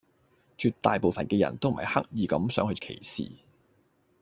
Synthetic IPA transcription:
t͡ʃyː˧t̚t̪aː˨jpo˨wfɐ˨nkɛː˧jɐ̰˨˩nt̪o˥wm̩˨˩hɐ̰˨˩jhɐ˥k̚jiː˨˩kɐ˨˥msœː˨˥ŋhɵ˧kʰḛ˨˩jsḭː˨

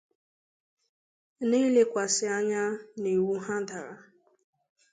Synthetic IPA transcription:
ni˦le˦kʷa˨sɪ˨a˦ɲa˦ne˨wu˦ɦa˦da˨ɾa˨

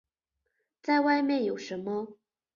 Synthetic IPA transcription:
t͡sa˥˧ɪwa˥˧ɪmjɛ˥˨njo˨˩ʊʂə˧˥nmə˦

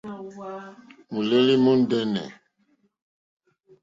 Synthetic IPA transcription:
mu˨le˦li˦mu˦n˦dɛ˦nɛ̰˨

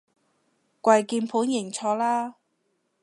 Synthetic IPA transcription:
kʷɐ˧jkiː˧npʰuː˨˥njɪ˨˩ŋt͡sʰɔː˧laː˥

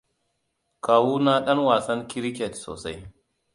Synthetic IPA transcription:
kaː˨wuː˦naː˦ɗɐ˦ŋwaː˨sɐ˦ŋkʲɪ˦ɾkʲɛ˨tso̰ː˨sa˦j

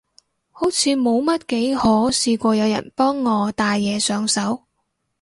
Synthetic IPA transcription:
ho˨˥wt͡sʰiː˨˧mo˨˧wmɐ˥t̚ke˨˥jhɔː˨˥siː˧kʷɔː˧jɐ˨˧wjɐ̰˨˩npɔː˥ŋːɔː˨˧t̪aː˨jːɛː˨˧sœː˨˧ŋsɐ˨˥w

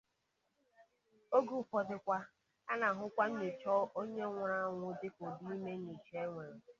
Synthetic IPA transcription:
o˦ɡu˨fɔ˨dɪ˨kʷa˦ | a˦na˨ɦʊ˦kʷa˦n̩˦me˨t͡ʃɔ˦ʔo˦ɲe˦ŋʷʊ˨ɾa˦ŋʷʊ˦dɪ˦ko˨di˦me˦ni˨t͡ʃe˦ŋʷe˨ɾ

